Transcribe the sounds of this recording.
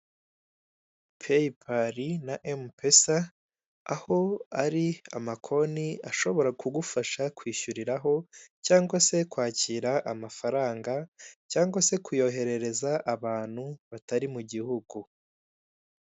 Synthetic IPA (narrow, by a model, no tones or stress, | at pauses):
pʰeipʰaɾinaʔempesa̰ː | ho̞aɾia̰makʰo̞niaʃo̞βo̞ɾakuɡufaʃakwiːʃuɾiɾaɦo̞caːŋɡwase̞kwaːciːɾaʔamafaɾaːŋɡacaːŋɡwase̞kujo̞ːɦe̞ɾe̞ɾe̞zaʔaβaːn̥huβataɾimuɟihuɡu